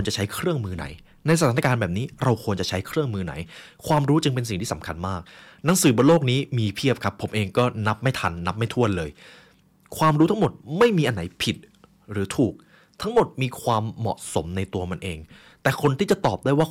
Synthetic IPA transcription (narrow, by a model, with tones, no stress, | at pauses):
nt͡ɕa˨˩t͡ɕʰa˦˥jkʰɾɯ˥˩əŋmɯː˧na̰˩˦j | na˧jsa˧aː˨˩˦n˦a˧kaː˧nbɛː˨˩p̚niː˦˥ɾa˧wkʰu˧ənt͡ɕa˨˩t͡ɕʰa˦˥jkʰɾɯ˥˩əŋmɯː˧na̰˩˦jkʰwaː˧mɾuː˦˥t͡ɕɯ˧ŋpe˧nsi˨˩ŋʰiː˥˩a˩˦mkʰa̰˧nmaː˥˩k̚ | na˩˦ŋsɯː˩˦bo˧loː˥˩k̚niː˦˥miː˧pʰi˥˩əp̚kʰa˦˥pʰːo˩˦mʔeː˧ŋkɔː˥˩na˦˥p̚ma˥˩jt̪ʰa˧nːa˦˥p̚ma˥˩jt̪ʰu˥˩ənlɤː˧j | kʰwaː˧mɾu˦˥t̪ʰa˦˥ŋmo˨˩t̪̚ma˥˩jmiː˧ʔa˧nːa˩˦jpʰi˨˩t̪̚ | ɾɯː˩˦t̪ʰuː˨˩k̚ | t̪ʰa˦˥ŋmo˨˩t̪̚miː˧kʰwaː˧mːɔ̰˨˩so̰˩˦mna˧jt̪u˧ɐma˧nʔeː˧ŋ | t̪ɛː˨˩kʰo˧nt̪ʰiː˥˩t͡ɕa˨˩t̪ɔː˨˩p̚daː˥˩jwaː˥˩